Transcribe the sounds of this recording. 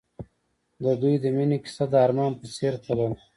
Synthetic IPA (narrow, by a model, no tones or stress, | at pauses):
d̪əd̪ujd̪əminiki̥sad̪ːɾmɑːnpəseːɾt̪ʰalan